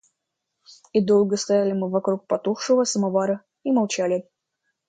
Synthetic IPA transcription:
id̪olˠɡəst̪ɐjalʲɪmɨvɐkɾuk̚pɐt̪uxʂɨvəsəmɐvaɾə | imɐlˠt͡ɕælʲɪ

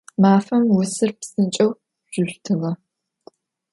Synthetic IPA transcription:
maːfɐmwʊsɨrpsɨnt͡ʃʼɐw | ʒ̥ʊɮtʰɨʁɐ

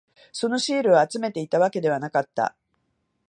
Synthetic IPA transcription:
so̞no̞ɕiːɾɯ̟aːt͡sɨme̞t̪e̞it̪aβ̞ake̞d̪e̞βanakat̪ːa̰

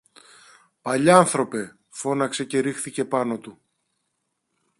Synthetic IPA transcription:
pɐʎɐnθɾo̞pe̞ | fo̞nɐkse̞ce̞ɾixθice̞pɐno̞t̪u

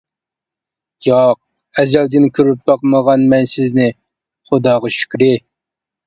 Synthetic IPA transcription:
jɑq̚ | ɛzɛld̪ɪnkʲʰyɾyp̚bɑqməʁɑnmɛnsɪznɪ | χʊd̪ɑːʁɑʃy̥kʲɾɪ

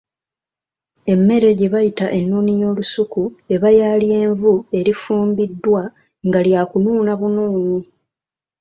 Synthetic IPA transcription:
e̞mːe̞ɾe̞ɟe̞βajitaʔe̞nːuːnijo̞ːlusukue̞βajalie̞ːɱvue̞ɾifuːmbidːwa | ŋɡaljaːkunuːnaβunuːɲi

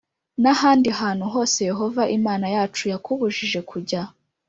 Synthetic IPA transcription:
nahaːndiɦaːn̥huɦo̞ːse̞je̞ɦo̞vaʔimaːnajaːt͡ʃujakʰuβuʒiʒe̞kʰuɟa

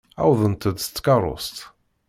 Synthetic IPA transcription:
a̰wðənt̪ʰəd̪st̪kaɾɔ̰st̪

